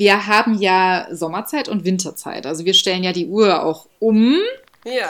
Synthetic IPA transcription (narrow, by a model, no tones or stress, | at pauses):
viːɐɦaːbm̩jaːzɔmɐt͡saɪtʊntv̥ɪntɐt͡sa̰ɪtʔalzoviːɐʃtɛlənjaːdiːʔuːɐa̰ʊx | ʔʊm